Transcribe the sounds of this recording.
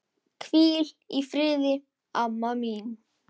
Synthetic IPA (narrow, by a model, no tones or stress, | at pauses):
kʰviːl | ifɾɪːðɪ | avmamin